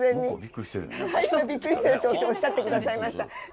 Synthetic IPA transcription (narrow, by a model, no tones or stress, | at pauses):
zẽ̞ɲ̟ːibikːisḛhaibʲikːɯ̟ɾʲisɯɾɯ̟t̪ot̪ːeoɕːat̪ːe̞kɯ̟d̪asaimaɕi̥t̪a